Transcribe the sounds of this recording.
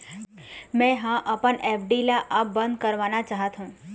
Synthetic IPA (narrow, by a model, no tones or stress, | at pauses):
mɛ̃ɦãʔəpəɳepʰɖilaʔəp̚bə̃nd̪̚kəɾʋanat͡ʃaɦət̪ɦũ